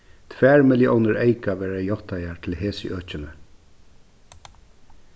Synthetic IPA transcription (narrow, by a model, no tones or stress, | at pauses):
t̪ʰʋæːɹmɪljəʔɔwnəɹeɪkaʋeːɾajɔht̪ajaɹt̪ʰɪlheːsə̰ʔøːt͡ʃɪnə